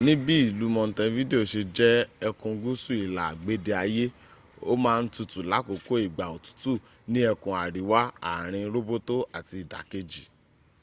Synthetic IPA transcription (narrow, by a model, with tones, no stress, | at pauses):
nĩ˦bi˦i˦˨lu˨˦mɔ̃˧n̩˨tã˧˦vi˦de˦o˨ʃe˧d͡ʒɛ˦ɛ˧kũ˧˦ɡu˦su˦i˨la̰˨ɡ͡be˦de˧a˧je˦ | o˦mãː˦˧n̩˦tu˧tu˨la˨˦ko˨ko˦i˦˨ɡ͡ba˨o˨tu̥˦tu˦˨ | nĩ˦ɛ˧kũ˧a˨ɾi˨˦wa˦a˨ɾ̃ĩ˧ɾo˦bo˦to˦a˨ti˧i˨da̰˨ke˧d͡ʒi˨